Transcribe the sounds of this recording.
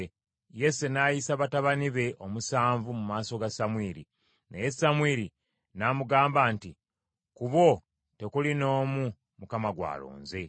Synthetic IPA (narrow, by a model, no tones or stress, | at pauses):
je̞senajisaβataβaniβe̞ʔo̞musaːɱvumumaːso̞ɡasamwiːɾḭ | nḛje̞samwiːɾi | namuɡaːmbaːnti | kuβo̞ | te̞kulino̞ːmu | mukamaɡwa̰ːlo̞̰ːnze̞